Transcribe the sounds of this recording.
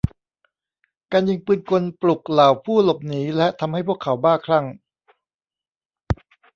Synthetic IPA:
kaː˧njɯ˧ŋpɯː˧nko˧nplu˨˩k̚laː˨˩wpʰuː˥˩lo˨˩p̚niː˩˦lɛ˦˥ʔt̪ʰa˧mha˥˩jpʰu˥˩əkʰːa˩˦wbaː˥˩kʰɾa˥˩ŋ

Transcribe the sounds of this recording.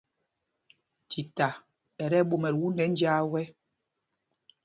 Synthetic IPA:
ti˨ta˨ | ɛ˨ɾɛ˦ɓo˨mɛ˨ɾwu˦ndɛ˨˦n˦d͡ʒaː˦wɛ˦

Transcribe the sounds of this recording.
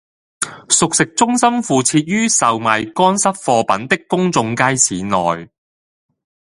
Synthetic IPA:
sʊ˨k̚sɪ˨k̚t͡sʊ˥ŋsɐ˥mfuː˨t͡sʰiː˧t̚ɥyː˥sɐ˨wmɐ˨jkɔː˥nsɐ˥p̚fɔː˧pɐ˨˥nt̪ɪ˥kːʊ˥ŋt͡sʊ˧ŋkaː˥jt͡sʰiː˨nɔː˨j

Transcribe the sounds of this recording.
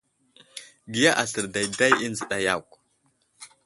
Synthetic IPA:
ɡi˨ja˦ʔa˨sə˨ɾda˨jda˦ji˦nzə˨ɗa˨ja˦˨kʷ

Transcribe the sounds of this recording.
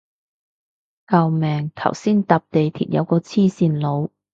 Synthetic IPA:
kɐ˧wmɛː˨ŋt̪ʰɐ̰˨˩wsiː˥nt̪aː˨p̚t̪e˨jt̪ʰiː˨˩t̚jʔɐ̰˨˧wkɔː˧t͡sʰiː˥˩siː˨˧nlo˨˧w

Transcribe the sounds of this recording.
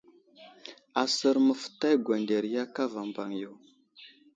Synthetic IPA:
a˨sə˨ɾmə˨fə̥˨ta˦jɡʷa˨nde˨ɾja˦ka˦va˨mba˨ŋju˨w

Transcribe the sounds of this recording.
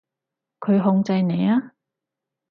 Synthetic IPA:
kʰɵ˨˧ɥɦʊ˧ŋt͡sɐ˧jne˨˧jaː˥

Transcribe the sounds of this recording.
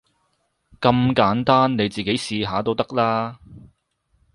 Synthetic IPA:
kɐ˧mkaː˨˥nt̪aː˥nne˨˧jt͡siː˨ke˨˥jsiː˧ɦaː˨˧t̪o˧wt̪ɐ˥k̚laː˥

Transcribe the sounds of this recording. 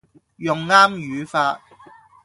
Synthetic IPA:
jʊ˨ŋːaː˥mjyː˨˦faː˧t̚

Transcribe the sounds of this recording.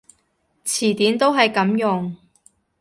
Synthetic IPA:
t͡sʰiː˨˩t̪iː˨˥nt̪o˥wɦɐ˨jkɐ˨˥mjʊ˨ŋ

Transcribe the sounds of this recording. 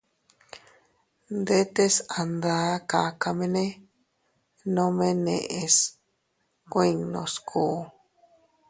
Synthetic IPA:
nd̪e˦t̪e˦sa˨nd̪a˦ka˨ka˧mẽ˧nẽ˦ | nõ˦mẽ˦nḛ̃˧ʔe˧s | kʷĩ˦˨ŋnõ̰˧skʰu˨˦

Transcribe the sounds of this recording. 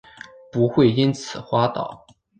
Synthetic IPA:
pu˧˥xwe˥˩ɪi˥nt͡sʰɹ̩˨˩xwa˥t̪ɑ̰˨˩˦ʊ

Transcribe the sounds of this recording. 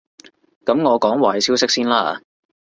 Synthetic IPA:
kɐ˨˥mŋɔː˨˧kɔː˨˥ŋwaː˨˩jsʰi˥wsɪ˥k̚siː˥nlaː˥a̰˧

